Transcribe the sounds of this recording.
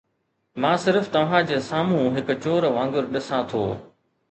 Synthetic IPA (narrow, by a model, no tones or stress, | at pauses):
mãːsɪɾft̪ɐʋ̤ãːd͡ʑeːsaːmũːɦɪkʊ̆t͡ɕoːɾʋãːŋɡʊɾɗɪsãt̪ʰo̰ː